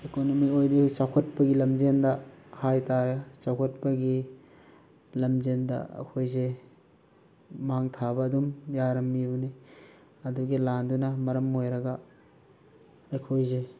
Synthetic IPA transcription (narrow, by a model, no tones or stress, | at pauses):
ekonomiojdisawkʰɐt̚pɐɡilɐmzendɐhajtaɾesawkʰɐt̚pɐɡi | lɐmzendɐ̰ɐ̰kʰojze | maŋtʰabɐːdumjaɾɐmːibɐni | ɐduɡilandunɐmɐɾɐmojɾɐɡɐ | ɐkʰojze